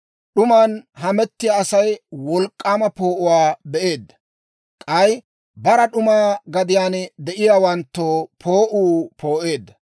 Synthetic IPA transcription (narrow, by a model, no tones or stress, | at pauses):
ɗʊmanɦɐmɛt̪ːɪjaːsɐjwɔlkʼːaːmɐpo̞ːʔʊwaːbɛʔe̞ːd̪ːɐ̥ | kʼɐj | bɐɾɐɗʊmaːɡɐd̪ɪjaːnd̪ɛʔɪjaːwɐnt̪ːoːpʰoːʔuːpʰoːʔe̞ːd̪ːɐ